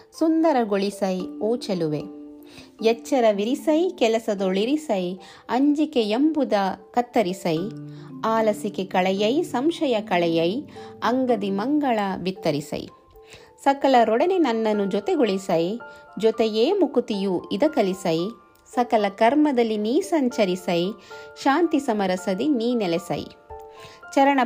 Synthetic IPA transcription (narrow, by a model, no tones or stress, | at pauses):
sund̪ɐɾɐɡoɭisɐjoːt͡ʃɐluʋe̞ | jɛt͡ʃːɐɾɐʋiɾisɐjkɛlɐsɐd̪oɭiɾisɐj | ɐɲd͡ʒikejembud̪ɐkɐt̪ːɐɾisɐjaːlɐsikekɐɭɛjɐjsɐmʃɐjɐkɐɭɛjɐjɐŋɡɐd̪imɐŋɡɐɭɐbit̪ːɐɾisɐ̰j̰ | sɐkɐlɐɾɔɽɐnenɐnːɐnːud͡ʒɔt̪eɡoɭisɐjd͡ʒɔt̪ejeːmukut̪ijuid̪ɐkɐlisɐj | sɐkɐlɐkɐɾmɐd̪ɐlːiniːsɐɲt͡ʃɐɾisɐjʃaːnt̪isɐmɐɾɐsɐd̪iniːnɛlɛsɐ̰j̰ | t͡ʃɐɾɐɳɐ